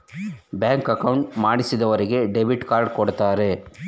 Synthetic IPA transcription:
bjaːŋkɐkɐwɳʈmaːɽisid̪ɐʋɐɾiɡe̞ɖebiʈkaːɾɖkɔɽt̪aːɾe̞

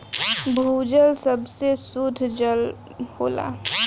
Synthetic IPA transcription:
bʱud͡ʒəlsəbsesut̪ʰd͡ʒəl | hoːla̰

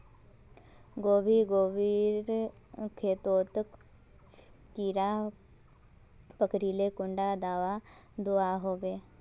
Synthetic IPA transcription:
ɡoːbʱiːɡoːbiːɾkʰeːt̪oːt̪ək | kiːɾaː | pəkɾiːlekʊ̃ɳɖad̪aːʋad̪oaɦoːʋeː

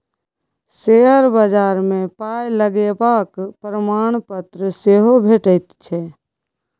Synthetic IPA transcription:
seɦəɾbəd͡ʒaːɾmẽpaːjləɡebaːkpɾəmaːɳ̃pət̪ɾəseɦobʱeːʈəɪt̪t͡ʃʰɛː

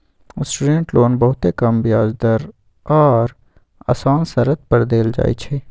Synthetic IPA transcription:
sʈuɖẽɳʈloːnbɐɦʊt̪ekəmbɪjaːd͡ʒd̪əɾ | ɔːɾ | a̰ːsaːnsəɾət̪̚pəɾd̪eːld͡ʒa̰ːḭt͡ʃʰeː

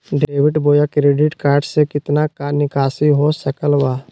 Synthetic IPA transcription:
ɖeːwɪʈboːjakɾeːɖɪʈkaːɾɖsekɪt̪nakanɪkaːsiɦosəkəlwaː

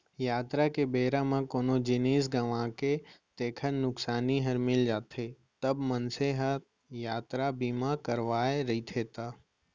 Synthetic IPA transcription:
jaːt̪ɾakebeːɾãmãkoːnõd͡ʒɪneːsɡɐʋãːket̪eːkʰənnʊksaːniɦəɾmɪld͡ʒaːt̪e | t̪ɐbmənseɦət̪ | jaːt̪ɾabiːmãkəɾʋaːeɾɐit̪ʰeːt̪aː

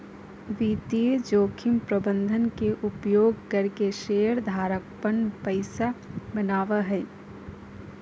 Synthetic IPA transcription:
ʋiːt̪ied͡ʒoːkʰɪmpɾəbə̃nd̪ʱənkeʔʊpjoːɡkɐɾkeʃeːjəɾd̪ʱaːɾək̚pənpəɪsabənaːʋaɦɛː

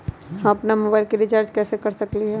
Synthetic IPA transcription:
ɦɐ̃ɐpnamoːbaːɪlkiɾɪt͡ʃaːɾd͡ʒkɛːsekɐɾsɐkliɦɛː

